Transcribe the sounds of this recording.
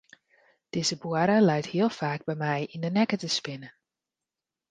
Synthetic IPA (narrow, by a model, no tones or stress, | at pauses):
d̥ɪzəbuəɾəlɛjthiəlˠfaːɡ̚bɛjmɛjindənɛkətəspɪnə